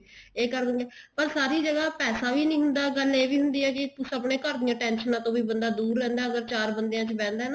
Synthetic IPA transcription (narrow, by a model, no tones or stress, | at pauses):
eːkəɾd̪əŋɡeːpəɾsaːɾiːd͡ʒəɡaːpɛːsaːʋiːnĩːɦʊnd̪aːɡəleːʋiːɦʊnd̪iːɛːkɪt̪usəpneːkəɾd̪ɪjãːʈɛ̃ːnʃənãːt̪õːʋiːbənd̪aːd̪uːɾlɛ̃ːnd̪aːəɡəɾt͡ʃaːɾbənd̪ejãːt͡ʃbɛ̃ːnd̪aːna